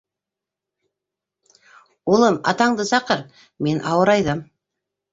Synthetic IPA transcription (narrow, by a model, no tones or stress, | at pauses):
olˠəmɑ̰t̪ɑɴd̪əsɑqəɾ | me̞nʔɑwəɾɑjd̪əm